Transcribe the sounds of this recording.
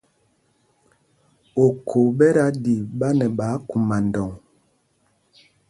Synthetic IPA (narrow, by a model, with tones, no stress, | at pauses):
o˨kʰo˨bɛ˦ɾa˦di˨ɓa˦nɛ˨ɓaː˨˦ku˨ma˨n˨dɔ˨ŋ